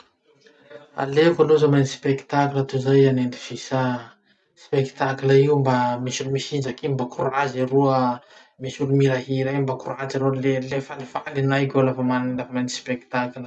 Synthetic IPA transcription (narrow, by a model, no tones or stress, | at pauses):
a̰levalozamenispeki̥t̪akilət̪uzajanend̪ifisa | spekt̪akləiumbamisulumisind͡ʒakimbakurazaɾuə | misulumiɾaɦiɾambakrazaɾolelefalifalinajkʲolafamaninafmenispeki̥t̪aklə